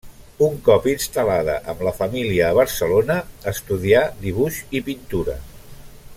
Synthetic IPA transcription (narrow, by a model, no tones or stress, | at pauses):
uŋkɔpinst̪əlaðə̰ʔəmləfəmiliəːβ̞əɾsəlonəːst̪uðiad̪iβuʃipint̪uɾə̰